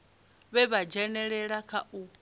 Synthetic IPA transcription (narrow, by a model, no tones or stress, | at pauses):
βɛβad͡ʒɛnɛɺɛɺakʰaʔu